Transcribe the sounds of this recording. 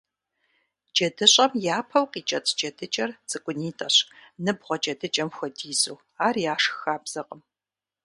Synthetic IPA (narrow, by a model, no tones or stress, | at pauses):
d͡ʒɐdɨɕʼɐmjaːpʰɐwqiːt͡ʃʼɐt͡sʼʰd͡ʒɐdɨt͡ʃʼɐrt͡sʼɨkʷʼʊniːtʼɐɕnɨbʁʷɔt͡ʃʼɐdɨt͡ʃʼɐmxʷɔdiːzuː | aːrjaːʂxaːbz̥ɐqʼəm